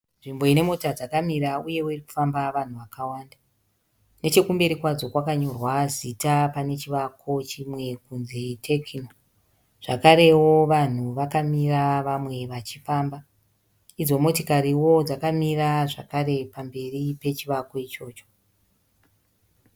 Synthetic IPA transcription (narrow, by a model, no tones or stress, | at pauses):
ʐimbo̞ine̞mo̞tad͡zakamiɾauje̞woiriku̥fambaʋan̤uʋakawaːnda | ne̞t͡ʃe̞kumbeɾikwad͡zo̞kwakaɲo̞rwazitapane̞t͡ʃiʋakʰo̞t͡ʃimwe̞kunzitʰekʰino | ʐ̥akaɾe̞wo̞ʋan̤uʋakamiraʋamwe̞ʋat͡ʃifaːmba | id͡zo̞mo̞tokaɾiwo̞d͡zakamiraʐa̰kaɾe̞pambe̞ripe̞t͡ʃiʋako̞it͡ʃo̞ːt͡ʃo̥